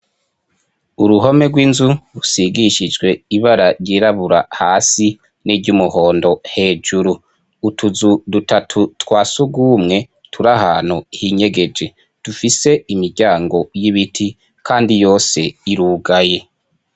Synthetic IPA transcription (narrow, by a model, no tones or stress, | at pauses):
uɾuɦo̞me̞ɡwiːnzuɾusiɡiʃid͡ʒɡwe̞iβaɾaɾɟiːɾaβuɾa̰haːsi | niɟumuho̞ːndo̞he̞ːd͡ʒuɾuː | tʰuzudutatʰutwaːsuɡuːmŋe̞ | tʰuɾahaːn̥huhiːɲe̞ɡe̞d͡ʒe̞ | d̥ufise̞imiɾɟaːŋɡo̞jiβitʰi | kʰaːndijo̞ːse̞iɾuːɡaje̞